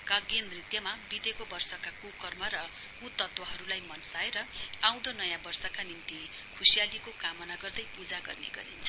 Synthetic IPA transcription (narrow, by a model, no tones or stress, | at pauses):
kaɡend̪rit̪jʌmabid̪ekobʌrsʌkakukʌrmʌɾʌ | ut̪ːʌt̪wʌɦʌɾulajmʌnsaeɾʌaw̃d̪ʌnʌjãbʌrsʌkanint̪i | kʰusijalikokamʌnaɡʌrd̪ʌjpud͡zaɡʌ̰rnḛɡʌ̰ɾḭnt͡sʰʌ